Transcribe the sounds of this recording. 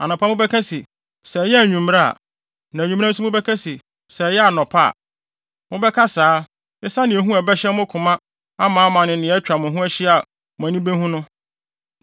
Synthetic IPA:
a̰˨nʊ̃˨pʰa˦mʊ̃˦bɛ˦kʰa˦si˨ | sɛ˨jɛ˦æ˨ɲᶣũ˨m˦ɾa˦a̰˨ | nã˨ɲᶣũ˨m˦ã˦n̩˦s̬ʊ˦mʊ̃˦bɛ˦kʰa˦si˨ | sɛ˨jɛ˦a˨nɔ̃˨pʰa˦a̰˨ | mʊ̃˦bɛ˦kʰa˦saː˨˦ | ɛ˦sa˦nɪ̃˨e˨ɦũ˦ɛ˨bɛ˦ɕɛ˦mʊ̃˦kʰʊ̃˨mã˦ | a˦mãː˨˦mã˨nɪ̃˨nɪ̃˨ɛ˦t͡ɕᶣa˨mʊ̃˨ɦũ˦ɛ˦ɕɪ˦a˨ | mʊ̃˨ã˨nĩ˦be˦hũ˦nʊ̃˦

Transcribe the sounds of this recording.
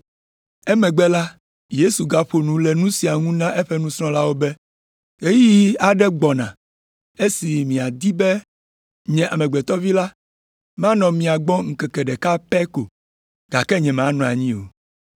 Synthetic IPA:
ɛ˦mɛ̃˨ɡ͡bɛ˦la˦ | je˦su˨ɡa˨ɸo˨nũ˨˦lɛ˨nũ˦si˨a˨ŋũ˦nã˦ʔe˦ɸɛ˦nũ˦sɾ̃ɔ̃˦la˦wo˦bɛ˦ | e˦ji˦a˨ɖɛ˦ɡ͡bɔ˨nã̰˨ | e˦si˨mĩ˨a˨d̪i˦bɛ˦ | ɲɛ̃˨ʔa˨mɛ˨ɡ͡bɛ˨t̪ɔ˦vi˦la˦ | mã˦nɔ̃˨mĩ˨a˨ɡ͡bɔ̃˦ŋ̩˨kɛ˨kɛ˨ɖɛ˨ka˦pɛ˦ko˨ | ɡ̥a˨kɛ˦ɲɛ̃˨m˨ã˨˦nɔ̃˨a˨ɲĩ˦o̰˨

